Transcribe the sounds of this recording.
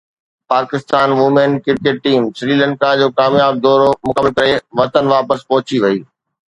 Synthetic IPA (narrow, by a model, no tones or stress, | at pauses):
paːkɪst̪aːnʋʊmẽnkɪɾ̚keːʈ̚ʈiːmsɾiːlə̃ɳkad͡ʑoːkaːmjaːb̚d̪ɔːɾomʊkəməlkɐɾeʋɐt̪ənʋaːpəspɔɦʊt͡ɕiʋɐiː